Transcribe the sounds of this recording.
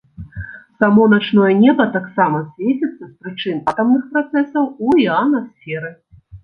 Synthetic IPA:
samɔnat͡ʂnɔjɐnʲɛbɐt̪aksamɐsʲvʲet͡sʲit̪sːɐspɾɨt͡ʂɨnat̪ɐmnɨxpɾat̪sɛsɐwuianɐsʲfʲɛɾɨ

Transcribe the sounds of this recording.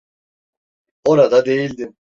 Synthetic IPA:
o̞ɾad̪ad̪e̞jilʲd̪im

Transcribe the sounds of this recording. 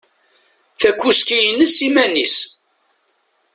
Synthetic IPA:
θækʷːuskijənːəsimænis

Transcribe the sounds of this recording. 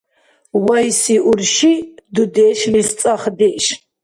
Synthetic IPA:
wajsiʔuɾʃid̪ud̪ɛːʃlist͡sʼaχd̪iʔʃ

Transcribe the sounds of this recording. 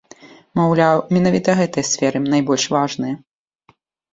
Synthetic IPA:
mawlʲawmʲɛnavʲit̪ɐɣɛt̪ɐjɐsʲfʲɛɾɨnajbɔlʲʂvaʐnɨjɐ

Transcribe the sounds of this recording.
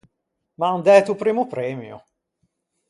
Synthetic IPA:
mand̪ɛt̪upɾiːmupɾɛmjṵ

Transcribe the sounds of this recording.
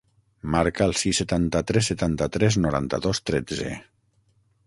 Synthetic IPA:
maɾkəːlˠsisːət̪ant̪ət̪ɾɛsːət̪ant̪ət̪ɾɛznuɾa̰nt̪əðost̪ɾɛd͡zḛ

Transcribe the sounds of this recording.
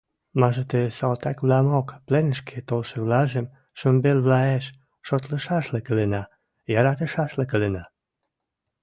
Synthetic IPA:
mɑʒət̪esɑlt̪ɑkβlɑmokplenəʃkʰet̪olʃə̆βlɑʒem | ʃəmbelβlɑeʃ | ʃot̪lə̆ʃɑʃlekə̆lenɑ | jɑɾɑt̪ə̆ʃɑʃlekə̆lenɑ

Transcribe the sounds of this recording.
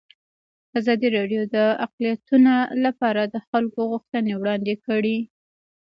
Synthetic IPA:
azɑd̪iɾɑɖjod̪əaqlijat̪unolapɑɾad̪əxalkoɣuxt̪ənewɽɑnd̪ekəɽi

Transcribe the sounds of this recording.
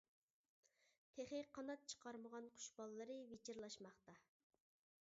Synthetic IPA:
t̪ʰeχɪqʰɑnɑt̪̚t͡ʃʰə̥qʰɑɾməʁɑnqʰʊ̥ʃbɑlˠːɨɾɨvet͡ʃʰɪɾlˠɑʃmɑχt̪ɑ

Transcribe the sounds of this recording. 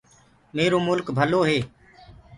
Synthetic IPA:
meːɾoːmʊlkbʱəloːɦeː

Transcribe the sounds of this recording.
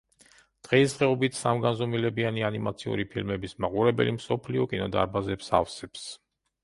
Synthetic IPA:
d̪̥ʁɛisd̪ʁɛɔbit̪ʰsamɡanzɔmilɛbianianimat̪sʰiṵɾipʰilmɛbismaqʼuɾɛbɛ̰limsɔpʰliɔkʼinɔd̪a̰ɾbazɛpsa̰fsɛps

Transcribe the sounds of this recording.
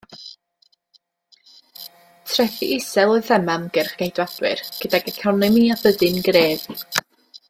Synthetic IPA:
tʰrɛθḭʔɪsɛlˠɔɨθɛmamɡ̥ɛrχɡ̥ejdwad̥wɪ̰rɡ̥ədaɡɛkʰawnlɨmiːabəðɪnɡreːv

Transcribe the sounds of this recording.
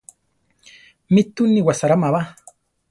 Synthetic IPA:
mit̪uniwasaɾamaβa

